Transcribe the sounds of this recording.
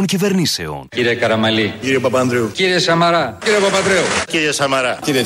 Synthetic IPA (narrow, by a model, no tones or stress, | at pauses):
oncive̞ɾnisḛo̰nciɾiekɐɾɐmɐliciɾiepɐpɐnd̪ɾeuciɾiesɐmɐɾɐciɾiɐpɐpɐnd̪ɾeuciɾiɐsɐmɐɾɐciɾie